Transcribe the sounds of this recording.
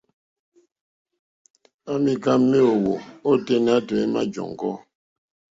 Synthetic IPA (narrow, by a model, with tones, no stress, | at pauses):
a˦mi˨ka˦mːi˦o˨wo˨o˦te˦n˦a˦tɛ˨e˦ma˦d͡ʒɔ̰˨ŋ˨ɡɔ̰˦